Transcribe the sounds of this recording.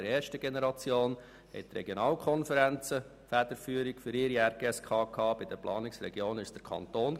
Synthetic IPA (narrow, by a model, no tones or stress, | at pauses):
ɾɛːɾʃtəɡenɛɾɑt͡sjoːn | hɛ̰ɪt̪ɾɛɡ̥jonɑːlkʰɔnfəɾænt͡sə | fæd̥̪əɾfyːəɾikfʏɾɪɾiæɾɡ̥eɛskʰɑːkʰɑːb̥ɪd̥əplʔɑːnɪksɾɛɡjoːnɪsd̥əɾkʰɑ̰nt̪oːn